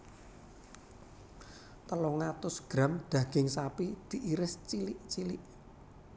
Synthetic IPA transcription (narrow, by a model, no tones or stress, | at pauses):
t̪əlɔŋat̪ʊsɡ̥ɾa̤md̪̥ä̤ɡ̥ɪŋsapid̪̥i̤ʔiɾɪst͡ʃilɪʔt͡ʃilɪʔ